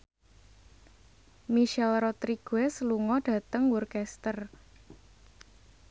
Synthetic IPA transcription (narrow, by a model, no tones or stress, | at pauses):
miʃɛlrɔt̪ɾiɡ̥wɛsəluŋɔɖ̥ä̤t̪əŋwurkɛst̪ər